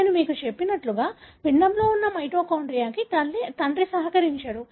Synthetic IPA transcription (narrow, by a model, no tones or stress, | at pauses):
numiːkut͡ʃe̞pːinɐʈluɡaːpiɳːɐmlo̞ːunːɐmɐjʈoːkɐwɳɖɾijaːkiɐlːt̪ɐɳɖɾisɐɦɐkɐɾiɲt͡ʃaːɽu